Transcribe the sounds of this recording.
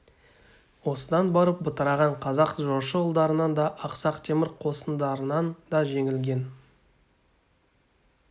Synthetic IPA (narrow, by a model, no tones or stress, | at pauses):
wo̞səd̪ɑnbɑɾəp̚bʊt̪əɾɑʁɑɴqʰɑzɑqʒoɾʃəəlˠd̪ɑɾənɑnd̪ɑʔɑqsɑqt̪ʰe̞mɪɾqʰo̞sənd̪ɑɾənɑnd̪ɑʒe̞ŋɪlɡʲe̞n